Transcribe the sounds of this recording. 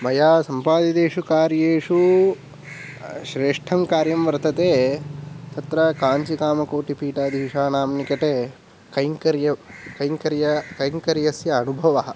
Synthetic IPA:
mɐjaːsɐmpaːd̪id̪eːʂukaːɾjeːʂu | ʃɾeːʂʈʰɐmkaːɾjɐmʋɐɾt̪ɐt̪eː | t̪ɐt̪ɾɐkaːɲt͡ʃikaːmɐkoːʈipiːʈaːd̪ʱiɦiʂaːnaːmnikɐʈeː | kɐjŋkɐɾjɐkɐjŋkɐɾjɐkɐjŋkɐɾjɐsjɐːnubʱɐʋɐɦɐ̆

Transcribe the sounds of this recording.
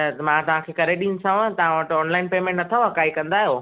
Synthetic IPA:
mãt̪ɐʋ̤ãkʰeːkɐɾeɗĩːn̆sãt̪ɐʋ̤ãʋəʈɔːnlaːɪnpeːmẽʈnɐt̪ʰaʋɐkaːikɐ̃nd̪aːɦijoː

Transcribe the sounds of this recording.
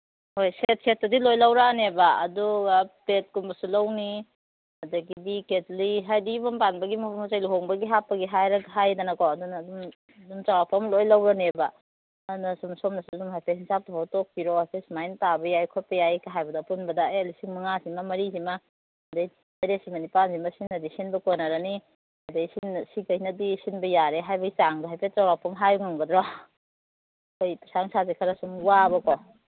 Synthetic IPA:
hojset̚set̚ːɐdilojlawɾanebaɐduɡapet̚kumbɐsulawni | ɐdɐɡibiketliɦajdibampanbɐɡimɐpʰumazajluɦoŋbɐɡiɦapːɐɡiɦajɾɐɡɦajdanakowɐdunaːdum | dumt͡ʃaɡapʰamlojlɐwɾaneba | ɐdunɐsumsomnɐsudumɦajpʰeshinsʰap̚tʰuɦatok̚piɾohajpʰesmajntabɐjajkʰɔt̚pɐjajkaɦajbɐdapunbɐdaelisiŋmɐŋasimamɐɾizima | dej | ajɾesimɐnipanzimɐsinːɐdisinbɐkonaɾani | ɐdejsinsikajnɐdisinbɐjaɾeɦajbɐɡit͡ʃaŋdaɦajpʰet͡ʃawapʰɔmɦajŋaŋbɐdɾɔ | kojpisaŋsazekʰɐɾasumwabɐkɔ

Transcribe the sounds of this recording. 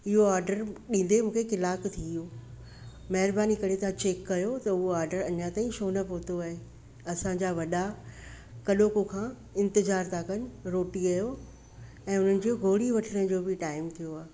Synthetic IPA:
ɪɦoaːɾɖəɾɗĩːn̆d̪emũːkʰekɪlaːkt̪ʰijoː | mɐɦɪɾbaːnikɐɽet̪ʰãt͡ɕeːkːɐjot̪ɐʊɦoaːɾɖəɾɐɲat̪aːĩʃoːnɐpoːt̪oaːɦe | ɐsãɲd͡ʑaːʋɐɗa | kɐɗoːkokʰãː | ɪ̃nt̪ɪzaːɾt̪ʰakɐn̆ɾoːʈiɡɐjo | ɛ̃ːʊn̤ənɪ̆d͡ʑioɡʱoːɽiʋɐʈʰəɽ̃əd͡ʑoːbɪʈaːɪmt̪ʰijoaː

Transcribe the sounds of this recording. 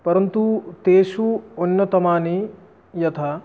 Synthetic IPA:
pɐɾɐnt̪ut̪eːʃuonːɐt̪ɐmaːni | jɐt̪ʰɐ

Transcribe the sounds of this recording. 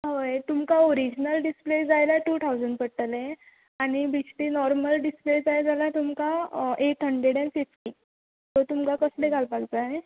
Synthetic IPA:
ɦojt̪umkaoɾid͡ʑnəlɖispled͡zajlaʈuːt̪ʰawd͡zəɳɖpəɽʈəlẽ | aɽ̃ibisʈinɔɾməlɖispled͡zajd͡zalat̪umkaet̪ʰəɳɖɾeɽɛ̃nfifʈi | t̪ot̪umkakəsleɡʱalpaɡd͡zaɦe

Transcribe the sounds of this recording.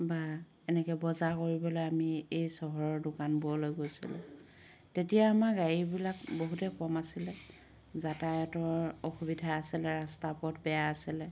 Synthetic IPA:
ba | ɛnɛkɛbɔzakoɹibɔlojamiejsɔɦɔɹɔɹdʊkanbuɔlojɡojsḭlɛ̰ | tetijaːmaɡaɹibilakboɦutɛkɔmasilɛ | zatajɔtɔɹoxubidʱaːsilɛɹastapɔtbɛjaːsilɛ

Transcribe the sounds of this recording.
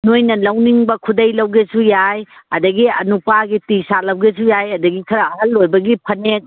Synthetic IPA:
nojnɐlɐwniŋbɐkʰudɐjlɐwɡesujajɐdɐɡiɐ̰nupaɡitisalɐwɡes̬ujajɐdɐɡikʰɐɾɐɐɦɐlːojbɐɡipʰɐnek̚

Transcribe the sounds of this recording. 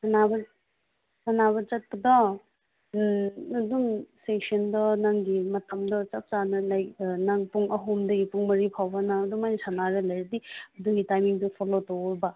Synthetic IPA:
ɐnabɐ | ɐnaβɐt͡ʃɐt̚pɐdɐ | ɐduŋstesʰɐndɐnaŋɡimɐtɐmdɐt͡ʃɐp̚t͡ʃanɐlɐjnaŋpuŋɐɦumdɐɡipuŋmɐɾipʰawbɐnaɐduŋmajnsanaɾelɐjɾɐdiɐduɡitajmiŋdɐpʰolotoɾba

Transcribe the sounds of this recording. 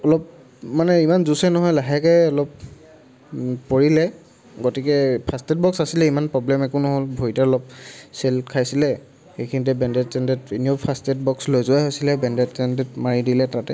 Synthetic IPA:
ɔlɔp | manɛimanzusɛnɔɦɔjlaɦɛkɛɔlɔp | oɹilɛ | ɡotikɛpʰastɛt̚bɔksasilɛimanpɹɔblɛmɛkunɔɦolbʱoitɛɔlɔp̚sɛlkʰajsilɛ | xejkʰinit̬ɛbɛndɛttɛndɛteniopʰastɛt̚bɔkslojzʊaɦojsilɛbɛndɛtsɛndɛtmaɹidilɛtatɛ

